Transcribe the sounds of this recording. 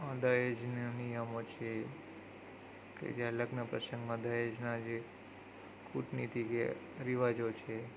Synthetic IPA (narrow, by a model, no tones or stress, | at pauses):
ad̪ajed͡ʒnnijəmot͡ʃʰe | kḛd͡ʒaləɡnəpɾəsəŋɡmãd̪ʱajed͡ʒnad͡ʒe | kʰuʈnit̪ʰike | ɾiʋad͡ʒot͡ʃʰe